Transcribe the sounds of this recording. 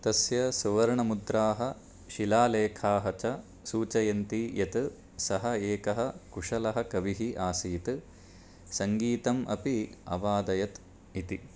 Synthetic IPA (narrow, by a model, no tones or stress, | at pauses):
t̪ɐsjɐsuʋɐɾɳɐmud̪ɾaːɦɐ | ʃilaːleːkʰaːɦɐt͡ʃɐ | suːt͡ʃɐjɐnt̪ijɐt̪ɨ | sɐɦɐeːkɐɦɐkuʂɐlɐɦɐ̆kɐʋiɦiʔaːsiːt̪ɨ | sɐŋɡiːt̪ɐmʔɐ̰piɐ̰ʋaːd̪ɐjɐt̪ | it̪i